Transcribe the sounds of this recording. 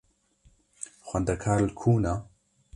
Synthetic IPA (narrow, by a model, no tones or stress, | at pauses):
xwɐnd̪ɐkʰaːɾlkʰuːna